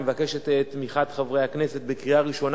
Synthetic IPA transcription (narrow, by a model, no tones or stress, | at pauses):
mevakeʃet̪et̪ːmiχat̪χavʁejhakneset̪̚bekʁiaʁiʃo̞n